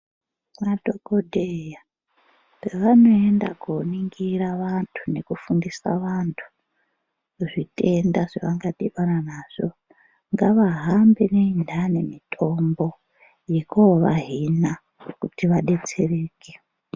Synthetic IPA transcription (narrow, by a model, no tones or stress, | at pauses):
madokodʱeja | peʋano̞e̞ndakuniŋɡiraʋantʰune̞kufundisa̰ʋantʰu̥ | ʐite̞ndaʐeʋaŋɡaɗiɓananaːʐ̥o | ŋɡaʋaɦambeneindane̞mitʰo̞mbo̞ | jekoʋa̰ɦina | kutiʋaɗe̞t͡se̞reːkʰe̥